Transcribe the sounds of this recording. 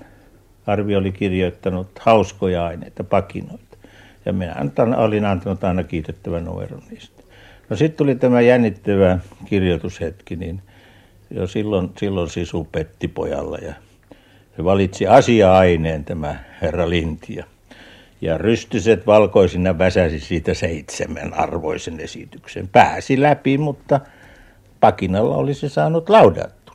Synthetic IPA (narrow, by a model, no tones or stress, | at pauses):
ɑrʋiolikirjoit̪ːɑnut̪hɑuskojɑɑinḛit̪ɑpɑkḭnoit̪ɑ̥ | jɑ̰minæ̰nyt̪ɑno̰linɑnt̪ɑnut̪ɑˑinɑkiːt̪et̪ːæʋænṵmḛro̰nniːst̪ | nosit̪t̪ulit̪æmæjænːit̪ːæʋækirjot̪ushet̪kinin | jo̰silːonsilːonsisupet̪ːipo̰jɑ̰lːɑ̰jɑ | seʋɑlit̪siɑsiɑɑineːnt̪æmæherːɑlint̪jɑ̰ | jɑryst̪yset̪ʋɑlkoisinːæʋæsæsisiːt̪æseit̪sḛmæ̰nɑ̰rʋo̰isenesḭt̪yksḛmpæːsilæpimut̪ːɑ | pɑkinɑlːɑ̰o̰lisesɑːnut̪lɑudɑ̰t̪ːu̥